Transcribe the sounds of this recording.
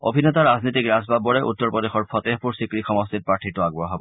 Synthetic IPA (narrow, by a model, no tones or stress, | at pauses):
o̰bʱinet̪aɹaznit̪ikɹazbabɔɹɛʔut̪ːɔɹpɔd̪exɔɹpʰɔt̪epuɹsikɹikxɔmɔst̪it̚pɹaɹʈʰitʊaɡ̚bɔɔɦabɔ